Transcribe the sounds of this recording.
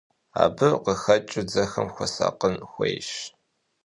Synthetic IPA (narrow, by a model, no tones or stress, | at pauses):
a̰ːbɨqəxɐt͡ʃʼɪd͡zɐxɐmxʷɔsa̰ːqənxʷejʃ